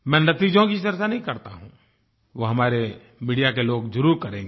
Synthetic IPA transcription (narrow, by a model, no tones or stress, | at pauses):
mɛ̃ːnɐt̪iːd͡ʒõkit͡ʃɐɾt͡ʃanɐɦĩkɐɾt̪aɦṵ̃ː | ʋoːɦɐmaːɾe | miːɖijakeloːɡd͡ʒʊɾuːɾkɐɾẽːŋɡe